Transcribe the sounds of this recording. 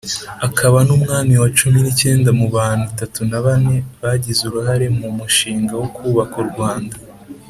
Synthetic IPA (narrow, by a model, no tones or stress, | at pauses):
akʰaβanumŋaːmiwat͡ʃuminice̞ːndamuβaːn̥hutatunaβane̞βaɟizuɾuhaɾe̞mumuʃiːŋɡawokuːβakuɾɡwaːnda